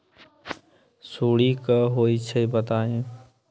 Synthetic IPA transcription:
suːɽikəɦoːit͡ʃʰəibət̪aːẽː

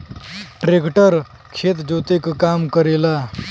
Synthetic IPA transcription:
ʈɾekʈəɾ | kʰeːt̪d͡ʒoːt̪ekkaːmkəɾeːlaː

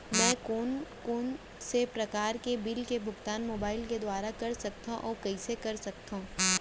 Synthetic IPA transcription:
mɛ̃ːkoːnkoːn | sepɾɐkaːɾkebɪlkebʱʊɡt̪aːnmoːbaːɪlked̪waːɾakɐɾsɐk̚t̪ũʔɔːɾkɐisekɐɾsɐkt̪aɦũː

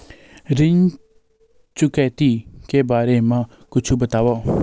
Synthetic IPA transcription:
ɾɪɲ | t͡ʃʊkɛːt̪iːkeːbaːɾeːmãː | kʊt͡ʃʰubət̪aːʋoː

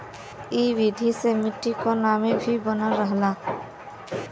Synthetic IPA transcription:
ibid̪ʱisemiʈːikɔnamebʱibɔnaɾəɦla

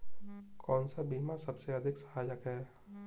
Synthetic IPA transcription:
kɔːnsabiːmasɐbseɐd̪ʱɪksɐ̥ɦaːd͡ʒəkɦɛː

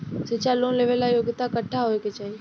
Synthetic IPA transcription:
set͡ʃaloːnleːʋelajoːɡɪt̪akəʈʰːaɦoeket͡ʃaːɦie

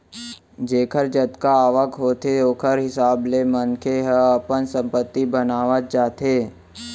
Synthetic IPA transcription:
d͡ʒeːkʰəɾd͡ʒət̪kaaːʋəkɦoːt̪ʰeoːkʰəɾɦɪsaːblemənkʰeɦəɐpənsə̃mpət̪ːibənaːʋət̪̚d͡ʒaːt̪eː

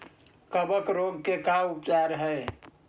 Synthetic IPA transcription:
kəbəkɾoɡkekaupt͡ʃaɾɦəe

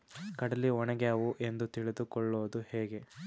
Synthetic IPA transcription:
kɐɽɐlːiɔnɐɡeaːʋuʔe̞nd̪ut̪iɭid̪ukɔɭːoːd̪uheːɡe̞

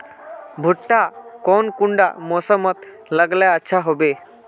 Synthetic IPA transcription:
bʱuʈʈakɔnkuɳɖa̰mɔsəmɔt̪ | ləɡlaətːʃʰaɦobe

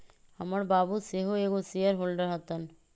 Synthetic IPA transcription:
hɐməɾbabuseɦoeɡosijəɾɦolɖəɾɦɔt̪an

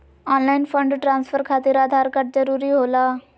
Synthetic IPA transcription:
ɔːnlaːinpʰə̃ɳɖʈɾãːnspʰəɾkʰaːt̪ɪɾaːd̪ʱaːɾkəʈ̚zəɾuːɾiɦoːlaː

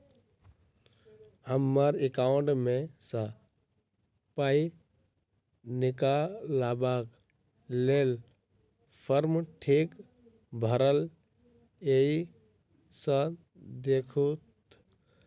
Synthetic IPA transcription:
həmːəɾekaʊ̃ɳʈmesə̃ | pai | nɪkalabak | lel | pʰəɾmʈʰik | bʱəɾəl | ei | sə̃ | d̪ekʰut̪

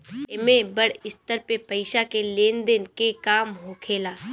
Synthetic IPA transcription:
ɪmẽbəɽɪst̪əɾpepɐɪʃakeleːnd̪enkekaːmɦokʰeːlaː

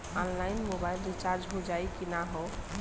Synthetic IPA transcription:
ɔnlainmobailɾit͡ʃaɾd͡ʒɦod͡ʒajkinaɦo

